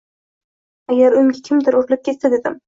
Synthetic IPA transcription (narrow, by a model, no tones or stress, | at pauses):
aɡʲaɾʊjmɡʲakʲʰɪmd̪ɪɾoɾlɪp̚kʲʰessad̪ed̪ɪm